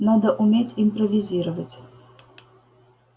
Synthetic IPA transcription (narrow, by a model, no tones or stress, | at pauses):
nad̪əʔumʲetʲimpɾɔvʲizʲiɾəvətʲ